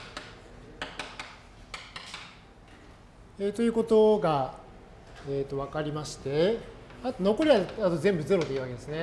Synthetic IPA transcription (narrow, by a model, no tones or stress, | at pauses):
et̪o̞jɯ̟ːko̞t̪o̞ɡa | eːt̪ːo̞β̞akaɾʲimaɕi̥t̪e̞at̪ono̞ko̞ɾʲiaat̪o̞zẽ̞mbɯ̟ze̞ɾo̞d̪eiɯβake̞d̪esɨne